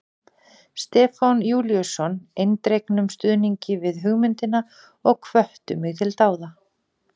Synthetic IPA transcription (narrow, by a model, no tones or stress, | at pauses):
st̪ɛːfanjuːlijʏsɔnejnt̪ɾejknʏmst̪ʏðniɲcɪvɪðɦʏɣmʏnt̪ɪna | ɔɣkʰvœht̪ʏmɪɣt̪ʰɪlt̪aːwða